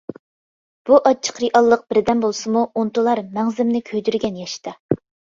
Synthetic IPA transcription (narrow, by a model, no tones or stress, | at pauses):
b̥uʔɑt͡ʃʰːə̥qɾiʔɑlˠːəq̚b̥ɪɾd̪ɛnbolˠsɨmuont̪ulˠɑɾmɛŋzɪmnɪkʲʰøjd̪yɾɡʲɛnjɛʃt̪ʰɑ